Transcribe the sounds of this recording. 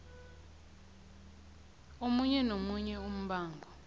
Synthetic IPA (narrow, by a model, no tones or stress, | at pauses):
omuɲɛnomuɲɛum̩ɓaːŋɡʱɔ